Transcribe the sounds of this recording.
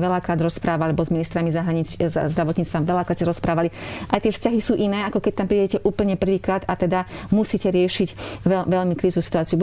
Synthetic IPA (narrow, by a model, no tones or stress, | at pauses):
ʋɛlakɾaːd̪ɾɔspɾaːʋaalɛbɔzminist̪ɾamizaɦɾaɲit͡szd̪ɾaʋɔt̪ɲiːt͡st̪ʋamʋɛlakɾaːt̪saɾɔspɾaːʋaliʔajt̪ɪɛfscaɦisuːʔinɛːakɔkɛc̚t̪ampɾiːɟɛcɛʔuːpl̩ɲɛpr̩ʋiːkɾaːd̪at̪ɛd̪amusiːcɛɾɪɛʃiɟɛʋɛʎmikɾiːzusi̥t̪ʊaːt͡siubu